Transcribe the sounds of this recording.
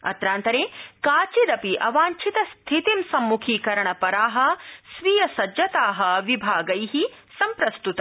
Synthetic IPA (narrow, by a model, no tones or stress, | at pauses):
ɐ̰t̪ɾaːnt̪ɐɾeːkaːt͡ʃiɾɐpiʔɐʋaːɲt͡ʃʰit̪ɐst̪ʰit̪imsɐmːukʰiːkɐɾɐɳɐpɐɾaːɦɐ̆sʋijɐsɐd͡ʒɐt̪aːɦɐʋibʱaːɡɐjɦi | sɐmpɾɐst̪ut̪ɐ